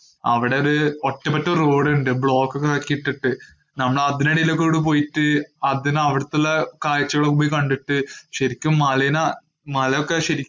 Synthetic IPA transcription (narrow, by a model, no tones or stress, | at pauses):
ɐ̰ʋiɽeoɾuotːɐpːɐtːɐɾro̞ːɽuɳɖɨbɭo̞ːkːokːeɐkːiiʈːiʈːɨ | nɐmːɐɭɐðinɐɽilːɐkːeɽip̬o̞ːjiʈːɨɐðinɐʋiɽɐt̪ːɐlːɐkaːjɐt͡ɕːɐɣɐɭɐkubikɐɳɖiʈːɨɕɐɾikʲːumːɐlɐjna | mɐlɐjokːeɕɐɾikʲː